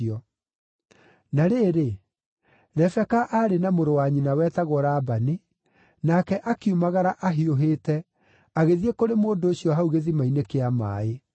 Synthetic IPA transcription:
ɔ | naɾeːɾe | ɾɛfɛkaʔaɾenamoɾowaɲinawɛːtaɣwɔɾaːbane | nakɛʔakiumaɣaɾaʔaɦioɦeːtɛ | aɣeðiekoɾemoːndoːɕiɔɦauɣeðimainekeama̰ːe

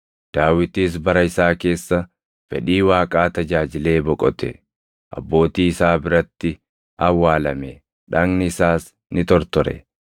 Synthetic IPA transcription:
d̪̥aːwɪt̪iːs̬bɐɾɐɪsaːke̞ːsːɐ | fɛ̰ᶑiːwaːkʼaːt̪ɐd͡ʒaːd͡ʒɪle̞ːbɔkʼɔt̪ɛ̰ | ʔɐ̰bːo̞ːt̪iːɪsaːbɪɾɐt̪ːɪ | ɐwːaːlɐmɛ | ᶑɐŋnɪɪsaːs | nɪt̪ɔɾt̪ɔɾɛ̰

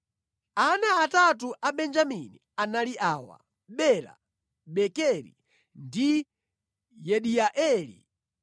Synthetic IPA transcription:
anaːtatuʔaɓɛnd͡ʒamini | analiʔaːwa̰ | ɓɛla̰ | ɓɛkɛɾḭ | ndi | jɛɗiaʔɛːlḭ

